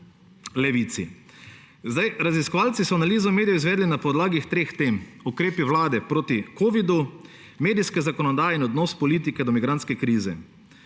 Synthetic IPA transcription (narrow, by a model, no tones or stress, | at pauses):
lɛʋiːt̪sḭ | zd̪ajɾaziskɔʋaːlt̪sisɔanaliːzɔmeːd̪ijɔizʋɛːd̪linapɔd̪laːɡixt̪ɾeːxt̪eːmukɾeːpiʋlaːd̪ɛpɾoːt̪ikoːʋid̪u | meːd̪iskɛzakɔnɔd̪aːjɛinɔd̪nɔːspɔliːt̪̬ikɛd̪ɔmiɡɾant̪skɛkɾiːzɛ̰